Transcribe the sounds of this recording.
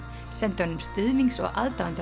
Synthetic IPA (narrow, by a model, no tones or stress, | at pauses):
sɛnt̪ɔnʏmst̪ʏðmiŋksɔ̰ɣʔa̰ðt̪aant̪